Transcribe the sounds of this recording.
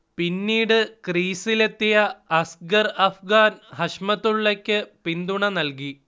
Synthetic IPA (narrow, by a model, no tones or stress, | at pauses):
pinːiːɽɨkriːsile̞t̪ːijɐɐsɡɐrɐfʰɡaːnhɐɕmɐt̪ːuɭːekʲːɨpind̪uɳɐnɐlki